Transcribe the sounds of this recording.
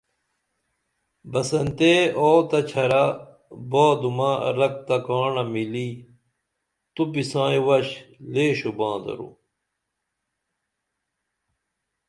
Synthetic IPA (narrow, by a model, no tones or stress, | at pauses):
bɐsɐnt̪eoːt̪ɐt͡ɕʰɐɾa | boːd̪umaɾɐk̚t̪ɐkaːɳɐmiliː | t̪upisãːĩwɐɕleːɕubãːd̪ɐ̰ɾṵ